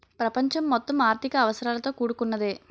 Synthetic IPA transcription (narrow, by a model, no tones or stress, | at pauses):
pɾɐpɐɲt͡ʃɐmːɔt̪ːɐmaːɾt̪ʰikɐːʋɐsɐɾaːlɐt̪o̞ːkuːɽukunːɐd̪eː